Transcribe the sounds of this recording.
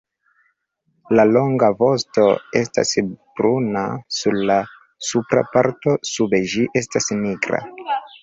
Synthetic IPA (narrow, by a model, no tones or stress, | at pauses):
lalo̞ŋɡavo̞sto̞e̞sta̰sb̥ɾunasuɾla | supɾa̰paɾto̞sube̞ʒiʔe̞stasniɡɾa̰